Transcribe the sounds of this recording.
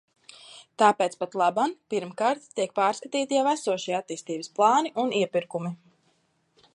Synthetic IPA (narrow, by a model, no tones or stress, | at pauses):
t̪aːpeːt̪spat̪lˠabanpiɾmkaːɾt̪t̪ːiɛk̚paːɾskat̪iːt̪ijawæsuɔʃijat̪ːiːst̪iːbəsplˠɑːniʔuniɛpiɾkumi